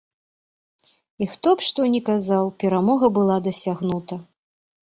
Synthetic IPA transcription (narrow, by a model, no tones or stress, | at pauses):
ixt̪ɔpʂt̪ɔnʲɛkazawpʲɛɾamɔɣɐbɨlˠad̪ɐsʲaɣn̪ut̪ɐ